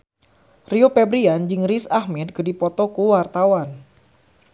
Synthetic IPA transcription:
riopɛbɾiand͡ʒɨŋrisahmɛd̪̚kədipɔt̪ɔkuwart̪awan

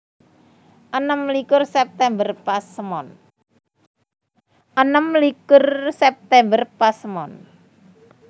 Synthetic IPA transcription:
ʔənəmlikʊrsɛp̚t̪ɛmbərpasəmɔn | ʔənəmlikʊrsɛp̚t̪ɛmbərpasəmɔn

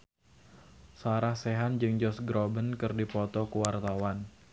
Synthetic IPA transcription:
saɾahseɦand͡ʒɨŋd͡ʒɔsɡɾɔbənkɨrdipɔt̪ɔkuwart̪awan

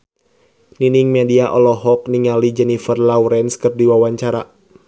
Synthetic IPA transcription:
niniŋmɛdiaʔɔlɔɦɔk̚niŋalid͡ʒɛnifərlawɾɛnskɨrdiwawaɲt͡ʃaɾa

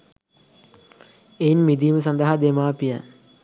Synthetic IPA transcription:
enmid̪iːməs̬and̪ɐɦad̪emaːpijə̰n

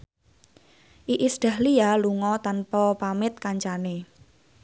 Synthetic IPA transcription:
ʔiʔisɖ̪̥a̤hlialuŋɔt̪anpɔpamɪt̪̚kaɲt͡ʃane

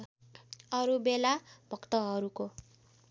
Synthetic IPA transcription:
ʌɾubelabʱʌkt̪ʌɦʌɾuko

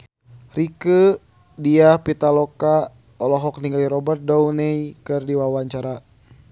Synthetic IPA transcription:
rikə | diahpit̪alɔka | ɔlɔɦɔk̚niŋɡaliɾɔbərt̪̚dɔunɛjkɨrdiwawaɲt͡ʃaɾa

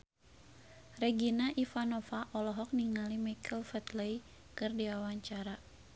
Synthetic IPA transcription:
rɛɡinaʔifanɔfaʔɔlɔɦɔk̚niŋalimakʰəlfɛt̪lɛj | kɨrdiwawaɲt͡ʃaɾa

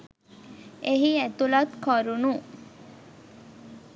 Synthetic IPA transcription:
eɦiet̪ulɐt̪kʰoɾunu

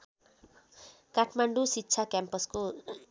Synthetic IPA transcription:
kaʈʰmaɳɖusitːt͡sʰakjampʌsko

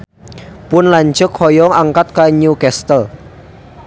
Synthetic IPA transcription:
pʊnlaɲd͡ʒʊkhɔjɔŋaŋkat̪̚kaɲukɛst̪əl

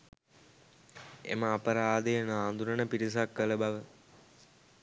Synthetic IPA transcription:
ḛməapəɾaːd̪ejnaːnd̪uɾənəpiɾis̬akːələbaʋə

